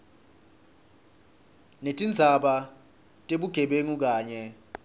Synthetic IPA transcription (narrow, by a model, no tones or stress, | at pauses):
netʼind͡zʱaɓa | tʼeɓuɡ̥ʱɛɓeŋuk̬aːɲɛ